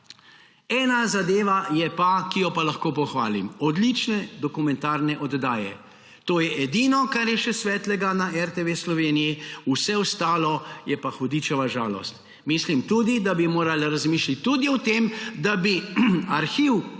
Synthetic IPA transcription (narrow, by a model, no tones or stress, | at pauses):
ɛːnazad̪eːʋajɛpakijɔpalaxkoːpɔxʋa̰ːlḭmɔd̪lit͡ʃnɛd̪ɔkumɛ̃nt̪aːɾnɛʔɔd̪d̪aːjɛ̰ | t̪oːjɛʔɛd̪iːnɔkaɾjɛʃɛsʋɛːt̪lɛɡanaʔɛɾt̪eʋeːslɔʋenijiusɛwst̪aːlɔjɛpaxɔd̪iːt͡ʃɛʋaʒaːlɔ̰st̪ | mislimt̪uːd̪id̪abimoːɾalɾazmiːʃlit̪ʲːud̪iɔt̪emd̪abiaɾxiːw